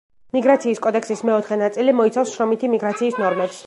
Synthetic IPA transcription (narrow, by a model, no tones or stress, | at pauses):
miɡɾat̪sʰiːskʼɔd̪ɛksismɛɔt̪ʰχɛnat̪sʼilimɔit̪sʰafsʃɾɔmit̪ʰimiɡɾat̪sʰiːsnɔɾmɛps